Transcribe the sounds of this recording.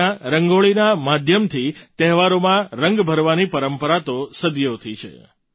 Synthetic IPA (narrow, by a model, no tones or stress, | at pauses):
aɾəŋɡoɭinamad̪ʱjəmt̪ʰit̪ɛɦʋaɾomãɾəŋɡbʱəɾʋanipəɾəmpəɾat̪osəd̪jot̪ʰit͡ʃʰḛ